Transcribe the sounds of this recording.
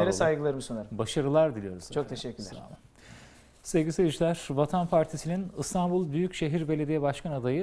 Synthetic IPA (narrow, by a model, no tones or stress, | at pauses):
eɾɛsajɡɯlˠaɾɯmɯsonaɾɯbaʃaɾɯlˠaɾd̪ilʲijo̞ɾuzt͡ʃʰok̚t̪ʰeʃɛcʰːyɾ | sevɟʲisevid͡ʒilʲæɾ̥vat̪ʰanpʰaɾt̪ʰisininɯst̪ʰanbulˠbyjycʃe̞ɦiɾbelʲe̞d̪ijɛbaʃkʰanad̪ajɯ